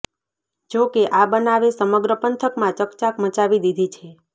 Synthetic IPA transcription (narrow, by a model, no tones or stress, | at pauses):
d͡ʒokeʔabənaʋesəməɡɾəpənt̪ʰəkmãt͡ʃəkt͡ʃakmət͡ʃaʋid̪id̪ʱit͡ʃʰe